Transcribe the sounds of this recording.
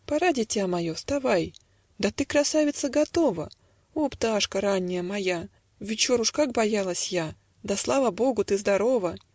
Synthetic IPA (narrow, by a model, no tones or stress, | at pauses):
pɐɾadʲɪtʲamɐjost̪avaj | d̪ɐt̪ɨkɾɐsavʲɪt̪səɡɐt̪ovə̰ | opt̪aʂkəɾanʲːɪjəmɐja | vʲɪt͡ɕoɾʊʂkak̚bɐjalˠəsʲja | d̪ɐslˠavəbo̞ɡʊt̪ɨzd̪ɐɾo̞və